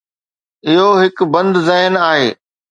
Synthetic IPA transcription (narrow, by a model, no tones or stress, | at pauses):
ɪɦoɦɪkbɐ̃nd̪zɛːɦɪnaːɦeː